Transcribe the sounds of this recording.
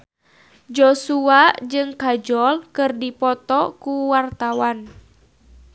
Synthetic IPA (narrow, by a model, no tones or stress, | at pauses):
d͡ʒɔsuaʔd͡ʒɨŋkad͡ʒɔlkɨrdipɔt̪ɔkuwart̪awan